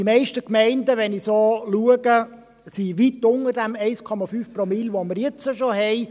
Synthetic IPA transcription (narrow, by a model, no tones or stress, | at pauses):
imɛɪʃtəkmɛɪndəʋɛnisoːluəɡə | siʋitːʊnərd̥æmɛɪskʰɔmɑfyːfprɔmilʋoməɾjɛt͡səʃoɦɛɪ